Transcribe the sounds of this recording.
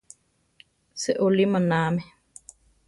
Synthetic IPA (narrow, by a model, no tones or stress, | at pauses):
seʔolimə̃naːme